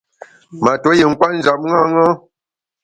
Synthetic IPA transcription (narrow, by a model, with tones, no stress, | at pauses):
ma˨to˨˦je˨ŋ̩˦kwa˦n̩˦d͡ʒa˨p̚ŋa˦ŋa˦